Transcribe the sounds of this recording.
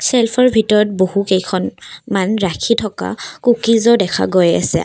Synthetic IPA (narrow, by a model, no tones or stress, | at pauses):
selpʰɔɹbʱitɔɹɔt̚bohukejkʰɔnmanɹakʰitʰɔka̰kukizɔdɛkʰa̰ɡoja̰sɛ̰